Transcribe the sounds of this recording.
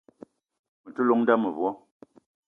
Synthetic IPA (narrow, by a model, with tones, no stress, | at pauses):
mə˨tu˦lo˦ŋn̩˦da˦mə˨vwɔ˦